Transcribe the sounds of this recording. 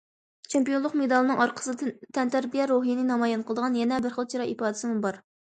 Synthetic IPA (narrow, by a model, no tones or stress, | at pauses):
t͡ʃʰempijonlˠəqmed̪ɑlˠɨnɨŋɑɾqʰə̥sɨt̪ʰɛnt̪ʰæɾbijɛɾoɦijinɪnɑmɑjɛnqʰəlˠd̪əʁɑnjɛnɛbəɾχəlˠt͡ʃʰiɾɑipɑːd̪ɪsɪmubɑɾ